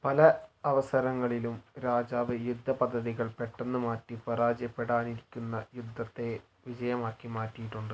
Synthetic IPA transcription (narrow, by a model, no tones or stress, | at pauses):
pɐlɐɐʋɐsɐɾɐŋːɐɭilumɾaːd͡ʑaːʋɨjud̪ʱːɐpɐd̪ʱːɐðiɣɐɭpe̞ʈːɐnːɨmaːtːipɐɾaːd͡ʑjɐpːeɽaːniɾikʲːunːɐjud̪ʱːɐt̪ːe̞ | ʋid͡ʑɐjɐmaːkːimaːtːijiʈːuɳɖɨ